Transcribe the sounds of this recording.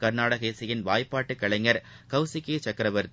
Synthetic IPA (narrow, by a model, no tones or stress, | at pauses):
kɐɾnaːɽɐɣɐeːsɪjɪnʋaːjpːaːʈːɯkːɐɭɐɪŋɐɾ | kɐʊsɪkːeːt͡ʃɐkɪɾɐʋɐɾt̪